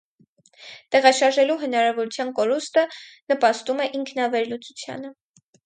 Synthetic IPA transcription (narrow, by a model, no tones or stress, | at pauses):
t̪ɛʁɑʃɑɾʒɛluɦənɑɾɑvɔɾut͡sʰjɑnkɔɾust̪ənəpɑst̪umɛʔiŋkʰnɑvɛɾlut͡sut͡sʰjɑ̰nə